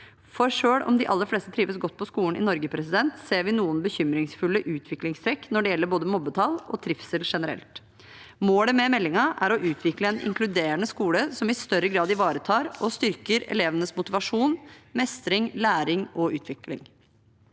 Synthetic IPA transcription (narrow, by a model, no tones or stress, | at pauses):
fɔɾʂøːɽɔ̰md̪ɪʔɑlːəɾfleːst̪ət̪ʰɾiːʋəsɡɔt̪̚ːpʰɔskuːən̩ʔɪ̰nɔɾɡəpʰɾɛsɪd̪ɛnt̪seːɾʋɪnuːənbəçʏmɾɪŋsfʉlːəʔʉːt̪ʰʋɪklɪŋst̪ʰɾɛkːnɔɖɛjɛlːəɾboːd̪əmɔbːət̪ʰɑlɔ̰t̪ʰɾɪfsəlʂɛnəɾɛ̰lt̪ | moːləmɛmɛlːɪŋɑʔæɾɔʔʉːt̪ʰʋɪkləɛnʔɪ̰ŋklʉd̪eːɾənəskuːləsɔmɪst̪œɾəɡɾɑːd̪ɪʋɑːɾət̪ʰɑːɾɔst̪ʏɾkəɾɛ̰leːʋənəsmʊt̪ɪʋɑʂuːnmɛst̪ɾɪŋlæːɾɪŋɔʉ̰ːt̪ʰʋɪklɪ̰ŋ